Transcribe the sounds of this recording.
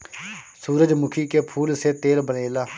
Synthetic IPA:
suːɾəd͡ʒmʊkʰiːkeːpʰuːlseːt̪eːlbəneːlaː

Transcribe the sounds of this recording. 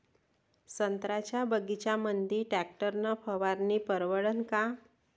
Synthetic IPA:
sənt̪ɾat͡ɕjabəɡit͡ɕjamənd̪iːʈæk̚ʈəɾnəpʰəʋaɾniːpəɾʋəɽənka

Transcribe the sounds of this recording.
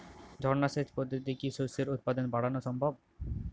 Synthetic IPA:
d͡ʑʱɔɾnaʃet̪pod̪ʱːot̪ikiʃuseɾut̪̚pad̪onbaɽ̤anoʃɔmbʱob̚

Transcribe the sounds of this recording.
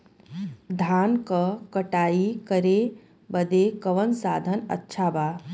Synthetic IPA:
d̪ʱaːnkəkɐʈaːikəɾe | bəd̪ekɐʋənsaːd̪ʱənə̰tːʃʰabaː

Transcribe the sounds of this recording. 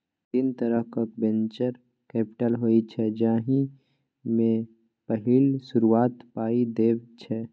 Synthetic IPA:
d̪iːnt̪əɾəɦkəkbɛ̃nt͡ʃəɾ | kɛːpɪ̥ʈəlɦoːit͡ʃʰɛd͡ʒaːɦi | mẽ | pəɦɪlʃʊɾuaːt̪paːid̪eːʋt͡ʃʰɛ

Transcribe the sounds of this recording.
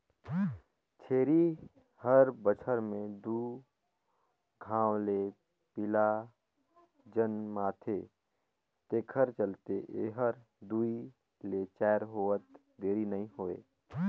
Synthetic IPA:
t͡ʃʰeːɾi | həɾbət͡ʃʰəɾmẽd̪uː | ɡʱãːwle | pɪla | d͡ʒənmaːt̪ʰe | t̪eːkʰəɾt͡ʃəlt̪eʔeɦəɾ | d̪ui | let͡ʃɛːɾɦoːət̪ | d̪eːɾinəĩɦoːḛː

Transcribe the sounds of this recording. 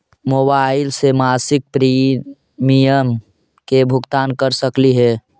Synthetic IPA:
mobaɪlsemaːsɪk̚pɾi | mijəm | kebʱʊɡt̪aːnkəɾsəkliɦɛː

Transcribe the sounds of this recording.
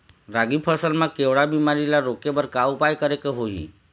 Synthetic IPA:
ɾaɡipʰəsəlmãkeʋɭabimaɾilaɾokebəɾkaupajkəɾekeɦoɦḭ

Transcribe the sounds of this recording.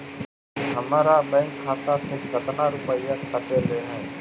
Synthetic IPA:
ɦəmaːɾaːbɛ̃ːŋkʰːaːt̪aːseːkət̪naːɾʊpəijːaːkʰəʈeːɾeːɦeː

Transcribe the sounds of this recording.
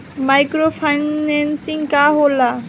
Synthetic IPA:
majkɾopʰajnensiŋkaɦola

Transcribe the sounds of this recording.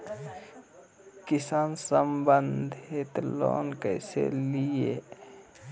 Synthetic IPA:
kisaːnsəmbənd̪ʱet̪lo̰ːnkəɪsḛlije

